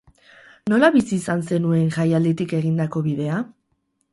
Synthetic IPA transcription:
no̞laβisiːsanse̞nue̞ŋʝajald̪et̪ike̞ɣind̪ako̞βiðe̞a

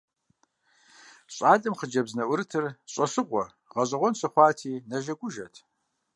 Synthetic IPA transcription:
ɕʼaːɮʼɨmχəd͡ʒɐbznɐʔʷʊɾɨtʰɨrɕʼɐsɨqʷʼɔ | ʁɐɕʼɐʁʷɔnsɨχʷɑːtʰiːnɐʒɐɡʷʊʒɐtʰ

